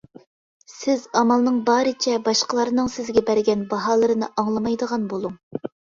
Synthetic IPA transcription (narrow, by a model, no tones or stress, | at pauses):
sɪzɑmɑlˠnɨŋbɑːɾɨt͡ʃʰɛbɑʃqəlˠɑɾnɨŋsɪzɡʲɛbæɾɡʲɛnbɑɦɑːlˠɨɾɨnɨʔɑŋlˠɑmɑjd̪əʁɑnbolˠuŋ